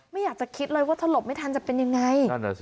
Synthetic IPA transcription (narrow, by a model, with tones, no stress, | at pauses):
ma˥˩jaː˨˩k̚t͡ɕa˨˩kʰi˦˥t̪̚lɤː˧jwaː˥˩t̪ʰa˧lo˨˩p̚ma˥˩t̪ʰa˧nt͡ɕa˨˩pe˧nja˧ŋːa˧ja˧˩n˧˩